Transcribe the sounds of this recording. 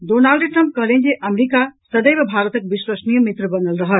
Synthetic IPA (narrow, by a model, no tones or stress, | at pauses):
ɖonalɖʈɾə̃mp̚kəɦlend͡ʒeʔəmɾikasəd̪əjbebʱaɾət̪ək̚biswəsnijəmit̪ɾəbənəlɾəɦəl